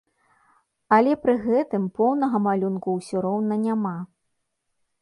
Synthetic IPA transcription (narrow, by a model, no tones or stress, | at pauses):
ɐlʲɛpɾɨɣɛt̪ɨmpɔwnɐɣɐmalʲunkuwsʲuɾɔwnɐnʲama